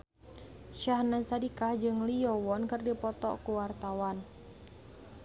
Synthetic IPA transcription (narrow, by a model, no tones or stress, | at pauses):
ʃaɦnasadikahd͡ʒɨŋlijɔwɔnkɨrdipɔt̪ɔ̰kuwart̪awan